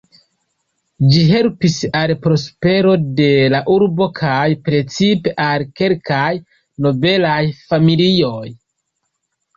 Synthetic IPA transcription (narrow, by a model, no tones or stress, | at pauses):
d͡ʒiɦe̞lpisalpɾo̞spe̞ɾo̞de̞laʔuɾbo̞kʰajpɾe̞t͡sipe̞ʔalke̞lkaj | no̞be̞lajfamilio̞j